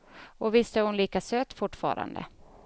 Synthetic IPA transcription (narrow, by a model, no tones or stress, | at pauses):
ɔvɪst̪əhʊnliːkasøːt̪fʊʈːfɑ̰ːɾa̰nd̪ə̰